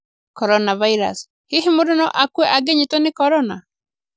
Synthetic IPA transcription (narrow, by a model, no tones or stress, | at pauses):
kɔɾɔnavaiɾa̰s | heɦemodonɔʔakwɛʔaɡeɲetonekɔɾɔna̰